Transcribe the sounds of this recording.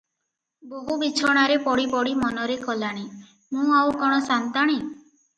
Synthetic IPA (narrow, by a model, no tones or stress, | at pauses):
boɦubit͡ʃʰɔɽ̃aɾepɔɽipɔɽimɔnɔɾekɔlaɽ̃i | mũawkɔɽ̃ɔsant̪aɽ̃i